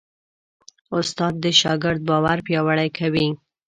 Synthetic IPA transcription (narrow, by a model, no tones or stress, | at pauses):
ʊst̪ɑd̪ːəʃɑɡɪɾd̪̚bɑwaɾpjɑwaɽajkʰawi